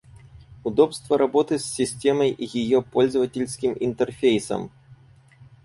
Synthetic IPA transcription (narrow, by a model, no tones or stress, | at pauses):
ud̪ɔpst̪vɐɾʔabɔt̪ɨsʲːisʲtʲɛmɐjʔijijɔpɔlʲzɐvɐtʲelʲsʲkʲimint̪ɛrfʲejsɐ̰m